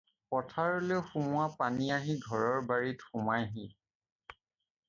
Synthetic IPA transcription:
pɔtʰaɹoloxumʊapaniaɦiɡʱɔɹɔɹbaɹitxumajɦi

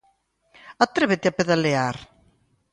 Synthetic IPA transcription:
at̪ɾeβet̪iapeðaleaɾ

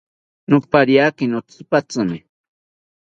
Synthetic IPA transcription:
nupaɾjakinot͡sɨpat͡sɨmɪ

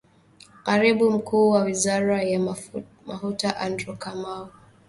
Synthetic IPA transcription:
kaɾiɓum̩kuːwawizaɾaja | mafutaʔandɾɔkamaɔ

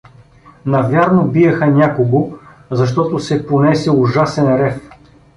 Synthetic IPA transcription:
nɐvʲjaɾnobijɐxɐnʲakoɡo | zɐʃt̪ɔt̪osɛponɛsɛʊʒasɛnɾɛf

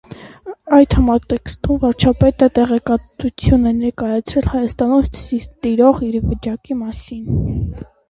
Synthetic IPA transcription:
ɑjt̪hɑmɑt̪ɛkst̪umvɑɾt͡ʃʰɑpɛt̪ət̪ɛʁɛkɑt̪ut͡sʰjunɛnɛɾkɑjɑt͡sʰɾɛlhɑjɑst̪ɑnumt̪iɾɔʁiɾvət͡ʃɑkimɑsin

